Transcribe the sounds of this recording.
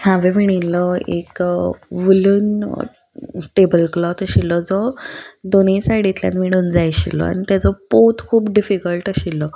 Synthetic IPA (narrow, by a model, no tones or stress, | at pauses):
hãʋeʋiɳ̃inːɔḛkʋəluːn | ʈebəlklɔt̪əɕilɔd͡zɔd̪onẽsaɽit̪lja̰nmiɽ̃uːnd͡zajɕḭlɔ̰a̰ñit̪jad͡zɔpot̪kʰuːpɖifikəlʈəɕilːɔ